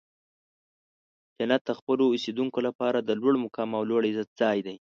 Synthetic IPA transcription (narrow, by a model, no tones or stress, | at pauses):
d͡ʒanat̪̚d̪əxpəloːsed̪uŋkolapɑɾad̪əlwaɽmʊkɑmawloɽzat̪̚z̥ɑjd̪aj